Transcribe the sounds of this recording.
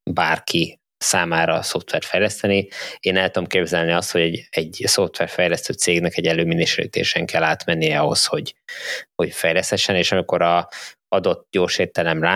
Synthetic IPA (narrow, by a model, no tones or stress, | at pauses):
baːrkʰi | saːmaːɾɒso̞ft̪ʋɛrt̪fɛjlɛst̪ɛnieːnɛlt̪ud̪omkeːbzɛlniɒst̪ho̞ɟɛɟɛɟso̞ft̪ʋɛrfɛjlɛst̪øːt̪seːɡnɛkɛɟɛlːøːminiʃlḭt̪ḛːʃɛŋkɛlːaːt̪mɛnːijɛɒɦo̞̰sho̞ɟho̞cfɛjlɛst̪hɛʃːɛneːʃɒmiko̞ɾɒ | ɒd̪o̞t̪ːɟoːrʃeːrt̪ɛlɛmraː